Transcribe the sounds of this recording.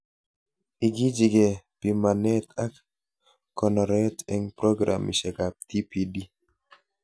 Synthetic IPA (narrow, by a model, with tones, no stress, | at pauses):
i˨ɡi˦d͡ʒi˨ɡe˨pi˨ma˨nɛ˦t̪ʰa˦k | kːɔ˨nɔ˨ɾɛtɛ˦ŋpɾo˦ɡɾa̰mḭ˨ʃɛ˨ka˨p̚t̪i˦pidi˦